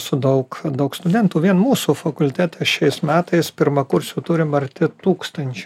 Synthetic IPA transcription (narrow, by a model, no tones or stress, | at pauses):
sʊd̪ɐʊkd̪ɐʊkst̪ʊdʲɛnt̪uːʋʲiɛnmuːsuːfɐkʊlʲt̪ʲæːt̪ʲʰɛʃʲɛɪsmʲæːt̪ɐɪspʲɪɾmɐkʊɾʲsʲut̪ʊɾʲɪmɐɾʲt̪ʲɪt̪uːkst̪ɐnʲt͡ʃʲʊ